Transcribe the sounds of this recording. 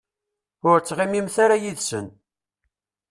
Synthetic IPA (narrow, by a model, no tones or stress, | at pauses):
ʊɾt͡sːʁimimθaɾajiðsən